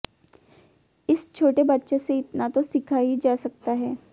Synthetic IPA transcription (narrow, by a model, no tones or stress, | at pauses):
ɪst͡ʃʰoːʈebɐtːʃeseɪt̪nat̪osɪkʰaːid͡ʒaːsɐk̚t̪aɦɛː